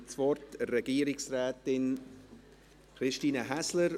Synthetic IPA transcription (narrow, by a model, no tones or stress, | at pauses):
t͡svɔɾtrɛɡiːɾɪksrɛːtɪn | kɾɪʃtiːnəɦæsləɾ